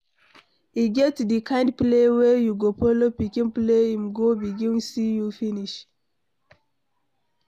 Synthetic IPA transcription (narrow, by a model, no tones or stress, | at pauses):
iɡɛtdikʰãɪ̃ndplewejuɡopolopikĩnpleĩmɡobiɡĩnsijufiniʃ